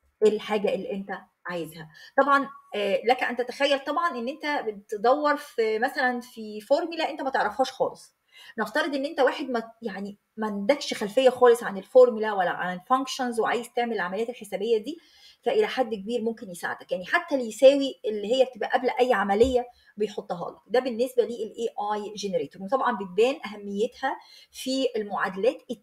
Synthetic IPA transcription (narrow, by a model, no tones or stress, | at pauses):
ʔelħaːɡæʔelːiʔent̪æ | ʕajezhæt̪ˤɑbʕɑnːlækæʔænt̪æt̪æxæjːælt̪ˤɑbʕɑnʔenːʔent̪æbet̪d̪ˤæwːɑɾˤfmæsælænfifoɾˤmlæʔent̪æmæt̪eʕɾɑfhæːʃxɑ̰ːlesˤ | neft̪ɑɾˤed̪ˤʔenːʔent̪æwaːħed̪mæjaʕni | mænd̪ækʃxælfejːæxɑːlesˤʕanelfoɾmlæwælːæ̰ʕa̰nelfæŋkʃonzweʕaːjezt̪eʕmelʕamælejæt̪elħesæːbejːæd̪iː | fæʔelæħad̪ːkebiːɾmomkenjesa̰ʕ̰d̪ækjaʕniħat̪ːælejsæːwielːihejːæbet̪ebʔæ̰ʔæblæʔæjːʕamælejːæ | bejħot̪ˤːɑɦɑ̰ːlɑ̰kd̪æbenːesbæliːʔelʔeːʔɑjʒeneɾeːt̪oɾwet̪ˤɑbʕɑnbet̪̚bæːnʔæɦæmːejːet̪hæfielmoʕad̪ælæːt̪